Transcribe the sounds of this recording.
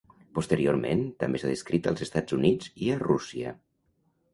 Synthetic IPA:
pust̪əɾioɾmḛnt̪əmbesaðeskɾit̪əlˠzest̪ad͡zunid͡ziərusiə̰

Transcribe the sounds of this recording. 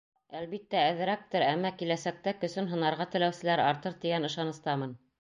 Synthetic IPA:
ælβit̪ːæɘ̆ðɘ̆ɾæk̚t̪ɘɾæmːækilæsæk̚t̪ækɵ̆sɵnɦɤ̆nɑɾʁɑt̪ɘ̆læwsɘ̆læɾɑɾt̪ɤɾt̪iɡænɤ̆ʃɑnɤ̆st̪ɑmɤn

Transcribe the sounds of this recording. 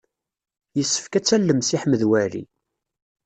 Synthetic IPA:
jəsːə̥fkæt͡sːælːəmsiħməðwæɾḭ

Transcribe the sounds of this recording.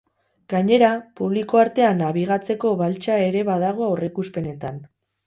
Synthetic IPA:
ɡ̥aɲe̞ɾapuβliko̞aɾt̪e̞anaβiɣ̞at͡se̞ko̞βalt͡ʃae̞ɾe̞βað̞aɣ̞o̞awrekuspe̞ne̞t̪an

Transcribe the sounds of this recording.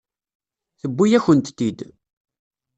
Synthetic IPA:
θəbːijæçənt̪t̪ːid̪

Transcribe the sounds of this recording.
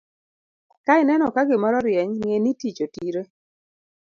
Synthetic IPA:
kaɪnɛnɔkaɡɪmɔɾɔɾjɛɲŋenitit͡ʃotiɾe

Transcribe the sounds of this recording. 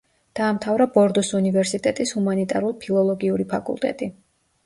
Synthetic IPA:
d̪̥aːmt̪ʰavɾabɔɾd̪ɔsunivɛɾsit̪ʼɛt̪ʼishumanit̪ʼa̰ɾulˠpʰilˠɔlˠɔɡiuɾipʰakʼṵlˠt̪ʼɛ̰t̪ʼi

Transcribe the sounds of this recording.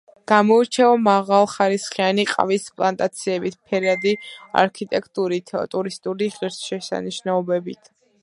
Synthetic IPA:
ɡ̥amɔiɾt͡ʃʰɛɔmaʁalˠχaɾisχianiqʼa̰vispʼlˠant̪ʼat̪sʰiɛbit̪ʰpʰɛɾad̪ia̰ɾkʰit̪ʼɛkʰt̪ʼuɾit̪ʰt̪ʼuɾist̪ʼuɾiʁiɾsʃɛsa̰niʃnaɔbɛbit̪ʰ

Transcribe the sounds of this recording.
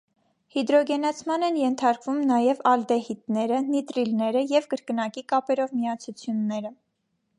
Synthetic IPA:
hid̪ɾɔɡɛnɑt͡sʰmɑnɛnjɛnt̪ʰɑɾkvumnɑjɛvɑld̪ɛhit̪nɛɾənit̪ɾilnɛɾəjɛvkəɾkənɑkikɑpɛɾɔvmiɑt͡sʰut͡sʰjunːɛɾə

